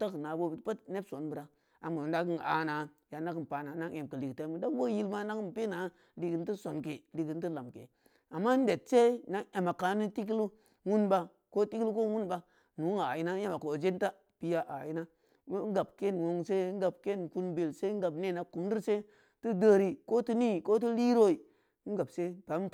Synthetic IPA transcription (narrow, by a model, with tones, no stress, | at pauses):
ta˦kna˨bo˦˨btpa˦tne˦bso˨˦nbɨ˨ɾa˨ | a˨mu˨˦da˦ki˦ŋ˨a̰˨na˨ | ja˨na˦ki˦m˨pa˨na˨na˦ʔe˨m˨kə˨li˨kta˦mu˦da˦wo˦ji˦lma˦na˦ki˦m˨pe˦na˨˦ | li˨ki˨n˦t̬i˦so˨nke˨li˨ki˨nti˦la˨mkḛ˨ | a˨mːa˦n̩˦de˨t̚se˦na˦ŋe˨ma˨ka˨˦ni˦ti˦k̬i˦lu˦ | wu˦nba˨ | ko˦ti˦klu˦ko˦wu˦nba˨ | nu˨˦ŋa˨ji˨˦na˦e˦ma˨ko˨d͡ʒe˦n˦ta˦ | pi˨ja˦ʔa̰˨ji˦na˦ | ŋ˦ɡa˨b̚ke˦nwo˨ŋse˦ŋ̩˦ɡa˨b̚ke˦nku˦nbe˨lse˦ŋ˦ɡa˨bne˦˨na˨ku˨m˦di˦ɾse˦ | ti˦də˦ɾi˨ko˦ti˦ni˦˨ko˦t̬i˦li˦ɾo˦i˨˦ | ŋ̩˦ɡa˨bse˦pa˨˦